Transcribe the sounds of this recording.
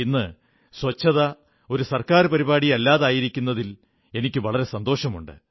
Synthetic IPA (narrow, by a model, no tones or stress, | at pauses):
inːɨ | swɐt͡ɕːɐðɐ | o̞ɾusɐrkaːrɨpɐɾibaːɽijɐlːaːðaːjiɾikʲːunːɐðil | e̞nikʲːɨʋɐɭɐɾe̞sɐnd̪o̞ːʂɐmuɳɖɨ̰